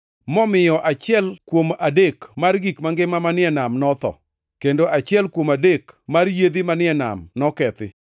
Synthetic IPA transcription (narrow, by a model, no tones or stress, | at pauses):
mɔmɪjɔʔat͡ʃɪɛlkwomadekmarɡikmaŋɡɪmamanɪɛnamnɔt̪ɔ̰ | kendoʔat͡ʃɪɛlkwomadekmarjed̪imanɪɛna̰mnɔkɛt̪ɪ̰